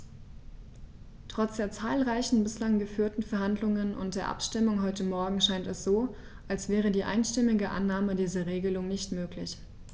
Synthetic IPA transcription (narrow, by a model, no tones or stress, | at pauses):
tʁ̥ɔt͡sd̥eːɐt͡saːlʁaɪçn̩bɪslaŋɡəfyːɐtn̩fɛɐhandlʊŋənʔʊ̰nt̚d̥eːɐʔa̰pʃtɪmʊŋɦɔʏtəmɔɐɡŋ̩ʃaɪntɛsz̥oː | ʔalsv̥ɛːʁ̞ədiːʔa̰ɪnʃtɪmɪɡəʔa̰nːaːmədiːzɐʁeːɡəlʊŋnɪçtmøːklɪç